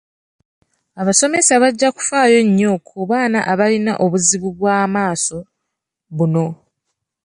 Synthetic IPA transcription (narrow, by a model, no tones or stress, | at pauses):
aβaso̞me̞saβaɟːaku̥faːjo̞ɲːo̞kʰuβaːna̰ʔaβalina̰ʔo̞βuziβuβwaːmaːso̞ | βuno̞